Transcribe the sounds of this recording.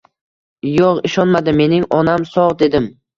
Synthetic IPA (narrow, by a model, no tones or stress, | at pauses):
joʁɪʃɒnmad̪ɪme̞nɪŋɒnamsɒʁd̪e̞d̪ɪm